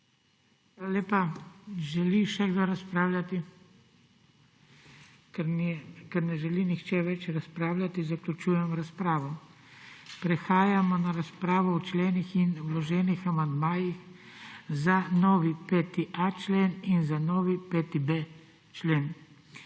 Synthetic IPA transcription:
xʋaːlalʲeːpaʒɛliʃɛɡd̪oɾaspɾaːwlʲat̪i | kɛnikɛɾnɛʒɛlinixt͡ʃɛʋɛt͡ʃɾaspɾaːwlʲat̪izaklʲut͡ʃuːjɛmɾaspɾaːʋɔ | pɾɛxaːjamɔnaɾaspɾaːʋɔwt͡ʃlɛːnixinwlɔʒɛːnixamand̪maːjix | zanɔːʋipɛt̪iʔat͡ʃleːninzanɔːʋipɛt̪ibe | t͡ʃlen

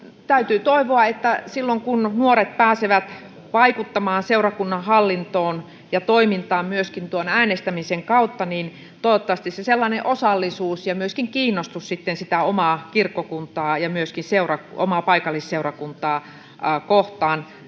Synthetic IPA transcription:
t̪æyt̪yːt̪oiʋoɑet̪ːæsilːoŋkunnuoret̪̚pæːseʋæt̪ | ʋɑikut̪ːɑmɑːnseurɑkunːɑhɑlːint̪oːn | jɑt̪oimint̪ɑːmmyøskint̪uonæːnest̪æmiseŋkɑut̪ːɑnin | t̪oot̪ːɑʋɑst̪isseselːɑineʔosɑlːisuːsjɑmyøskiŋkiːnːost̪ussit̪ːensit̪æomɑkirkːokunt̪ɑːjɑmyøskinseurɑko̰mɑːpɑikɑlːˑisseurɑkunt̪ɑː | koht̪ɑːn

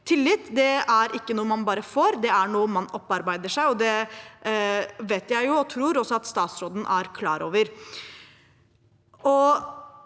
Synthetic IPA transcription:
t̪ʰɪlːɪt̪ːd̪ɛæɾʔɪkːənuːəmɑnbɑːɾəfoːɾd̪ɛæɳuːəmɑnɔpːɑɾbæɪd̪əʂæɪɔd̪ɛ | ʋeːt̪jæɪjʊɔt̪ʰɾuːɾɔsːɔɑt̪st̪ɑːt̪sɾoːd̪n̩ʔæɾkʰlɑːɾo̰ːʋəɾ | ɔ

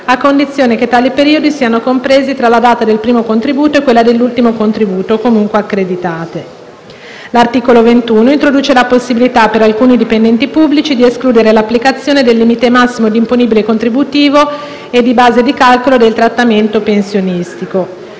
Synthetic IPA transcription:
akːond̪it̪sːjoːneket̪ːaːlipeɾiːod̪isiːanokompɾeːzit̪ɾalad̪aːt̪ad̪elpɾiːmokont̪ɾibuːt̪oekːwelːad̪elːult̪imokont̪ɾibuːt̪okomuŋkweakːɾed̪it̪aːt̪e | lart̪iːkolovent̪uːnoint̪ɾod̪uːt͡ʃelaposːibilit̪apːeɾalkuːnid̪ipend̪ɛnt̪ipubːlit͡ʃid̪ieskluːd̪eɾelapːlikat̪sːjoːned̪elːiːmit̪emasːimod̪imponiːbilekont̪ɾibut̪iːvo | ed̪ːibaːzed̪ikalkolod̪elt̪ɾat̪ːament̪opensjonist̪iko

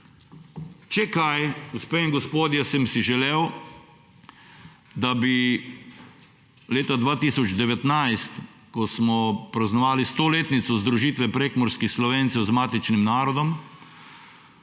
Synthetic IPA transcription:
t͡ʃɛkajɡospeːiŋɡɔspoːd̪jɛsɛmsiʒɛlew | d̪abi | leːt̪ad̪ʋaːt̪iːsɔd͡ʒd̪ɛʋɛt̪najst̪ | kɔsmɔpɾaznɔʋaːlist̪oːleːt̪nit̪sɔzd̪ɾuʒiːt̪ʋɛpɾeːkmɔɾskixslɔʋent̪sɛwzmaːt̪it͡ʃnimnaːɾɔd̪ɔm

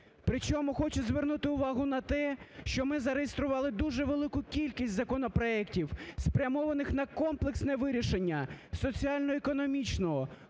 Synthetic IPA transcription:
pɾɪt͡ʃɔmʊxɔt͡ʃʊzʋernut̪ɪʊʋɑɦʊnɐt̪ɛʃt͡ʃɔmɪzɐɾejest̪ɾʊʋɑlˠɪd̪uʒɛʋelˠɪkʊkʲilʲkʲisʲtʲzɐkɔnɔpɾɔɛktʲiwspɾʲɐmɔʋɐnɪxn̪ɐkɔmplˠeksnɛʋɪɾʲiʃenʲːɐsɔt͡sʲiɑlʲnɔekɔnɔmʲit͡ʃnɔɦɔ

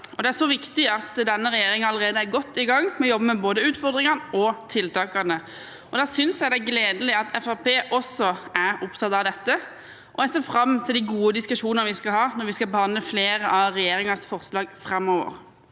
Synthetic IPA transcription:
ɔd̪ɛæɾʂsɔʋɪkt̪ɪɑt̪d̪ɛnːəɾɛjeːɾɪŋɑləɾeːd̪əæɾɡɔt̪ːɪɡɑŋːmɛɔjɔbːəmɛboːd̪əʉːt̪fɔʁd̪ɾɪŋɑnɔt̪ʰɪlt̪ʰɑːkɑnə | ɔd̪æːsʏnsjæɪd̪ɛæɛɡleːd̪əlɪɑt̪ʰɛfɑpʰeːʔɔsɔæɾʊpt̪ʰɑt̪ɑʋd̪ɛt̪ːə | ʔɔɛseːfɾɑmːt̪ʰɪld̪ɪɡuːəd̪ɪskʉʂuːnnəʋɪskɑlɦɑːnɔɾʋɪskɑbəhɑnd̪ləfleːɾəʔɑʋɾɛjeːɾɪŋɑsfɔɾslɑːɡfɾɑmːɔːʋə̰ɾ

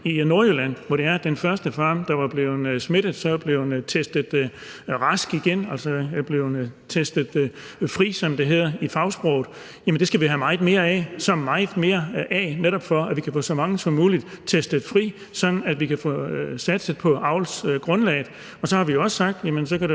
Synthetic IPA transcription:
ino̝ɐølæn̰ʋɒɾ̥e̝æɐd̥enfɶɐsd̥əfɑːmd̥ɑ̈ʋɑ̈b̥le̝ʊsme̝d̥ð̩ˠsɒ̽b̥le̝ʊnt͡sʰesd̥ð̩ˠʁɑ̈sɡ̥iɡ̥enælsɒb̥le̝ʊt͡sʰesd̥əð̩ˠ | fʁḭːsɒ̽md̥e̝ɦe̝ð̞̰ˠɐifɑ̈ʊsb̥ʁɔʊð̩ˠ | jæmənd̥e̝sɡ̥æʋiɦæmɑ̈ɪð̩ˠme̝ːɐɛsɒ̽mːɑ̈ɪð̩ˠme̝ːɐʔɛneɾɒ̽b̥fɒ̽æʋikʰæfɔ̰̽ːsɒ̽mɑ̈ŋəsɒ̽muːlid̥t͡sʰesd̥əð̩ˠfʁḭː | sɒ̽d̥n̩æd̥ʋikʰæfɔ̰sæd̥sə̥pʰɒ̽ʔɑ̈ʊlsɡ̥ʁɔ̽nlɛ̰ːɪð̩ˠ | ɒ̽sɒ̽hɑ̈ʋijoɒ̽ssɑ̈ɡ̥̚d̥jæmənsɒ̽kʰæd̥e

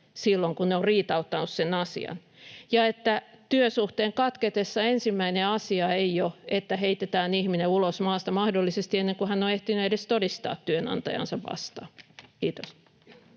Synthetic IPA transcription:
silːoŋkunneorriːt̪ɑut̪ːɑnussenɑsḭɑ̰n | jɑet̪ːæ | t̪yøsuht̪eːŋkɑt̪ket̪esːɑensimːæineɑsiɑeioet̪ːæheit̪et̪æːnihmineulosmɑːst̪ɑmɑhdolːisest̪ienːeŋkuhænːoeht̪inyedest̪odist̪ɑ̰ːt̪tyønɑ̰nt̪ɑ̰jɑ̰nsɑʋʋɑ̰st̪ɑ̰ːkiːt̪os

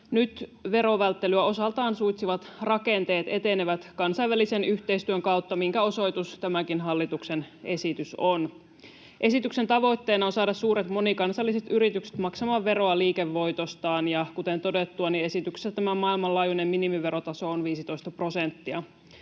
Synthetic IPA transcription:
nyt̪ʋe̞ɾo̞ʋælt̪ːelyæo̞sɑlt̪ɑːnsujt̪siʋɑt̪rɑkent̪e̞ːt̪e̞t̪e̞neʋæt̪kɑnsɑjʋælisenyçt̪eijst̪yøŋkɑwt̪ːɑmiŋkæo̞so̞jt̪ust̪æmækinɦɑlːit̪uksenʔe̞sit̪yson | ʔe̞sit̪ykse̞nt̪ɑʋo̞it̪ːe̞ːnɑonsɑːdɑssuːɾet̪mo̞nikɑnsɑlːiset̪yɾit̪ykse̥t̪mɑksɑmɑːʋʋe̞ɾo̞ɑliːkeʋːo̞jt̪ost̪ɑːnjɑkut̪ent̪o̞det̪ːuɑnie̞sit̪ykse̥sæt̪æmæmɑilmɑlɑːjunemminimiʋe̞ɾo̞t̪ɑso̞onʋiːsit̪o̞ist̪ɑpro̞sent̪ːiɑ

